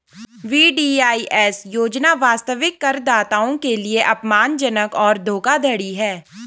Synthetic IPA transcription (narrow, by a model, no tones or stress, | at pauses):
ʋiːɖiːaːiʔɛːsjoːd͡ʒnaʋaːst̪əʋɪkːəɾd̪aːt̪aːõkelieʔɐpmaːnd͡ʒənəkɔːɾd̪ʱoːkad̪ʱəɽiɦɛː